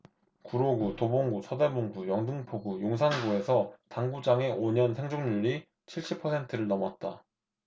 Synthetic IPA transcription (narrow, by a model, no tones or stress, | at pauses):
kuɾoɡutoboŋɡusʰʌde̞buŋɡujʌŋdɯŋpʰoɡujoŋsʰanɡue̞sʰʌtaŋɡud͡ʑaŋe̞ʔoɲʌnsʰe̞ŋd͡ʑoŋɲuʎːi | t͡ɕʰiɭɕ͈ipʰʌsʰe̞ntʰɯɾɯɭnʌmwa̰t̚t͈a̰